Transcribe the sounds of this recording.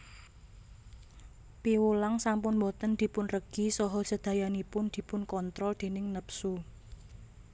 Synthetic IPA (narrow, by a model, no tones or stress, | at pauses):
piwulaŋsampʊnmɔt̪ənd̪̥i̤pʊnrəɡ̥isɔɦɔ̥səd̪̥ä̤janipʊnd̪̥i̤pʊnkɔnt̪ɾɔld̪̥e̤nɪŋnəpsu